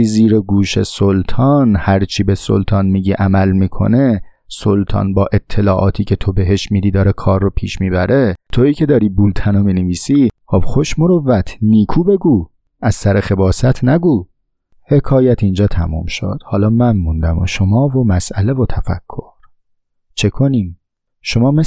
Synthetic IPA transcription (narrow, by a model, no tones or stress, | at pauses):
iziːɾeɡuːʃe̞̰solt̪ʰɒːnhæɾt͡ʃʰiːbeso̰lt̪ʰɒːnmiːɟiʔæmælmiːkʰo̰ne | solt̪ʰɒ̰ːnbɒːʔe̞t̪ʰːe̞lɒːʔɒːt̪ʰiːcʰe̞t̪ʰo̞be̞ɦe̞ʃmiːd̪iːd̪ɒːɾekʰɒːrːopʰiːʃmiːbæɾe̞t̪ʰo̞iːcʰe̞d̪ɒːɾiːbult̪ʰænomiːneviːsiːxobχoʃmoɾovːæt̪ʰniːkʰuːbe̞ɡuː | æz̥sæɾexe̞bɒːsæt̪ʰnæɡuː | he̞kʰɒːjæt̪ʰind͡ʒɒːt̪ʰæmṵːmʃo̰d̪̥hɒːlɒːmænmund̪æmo̰ʃomɒːvo̞mæsʔæle̞vot̪ʰæfæ̰kʰːo̞ɾ | t͡ʃʰe̞kʰo̞niːm | ʃomɒːme